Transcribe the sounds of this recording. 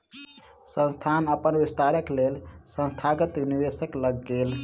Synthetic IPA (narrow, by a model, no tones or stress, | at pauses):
sə̃nst̪ʰanəpənʋist̪aɾəklelsə̃nst̪ʰaɡət̪unibesəkləɡːel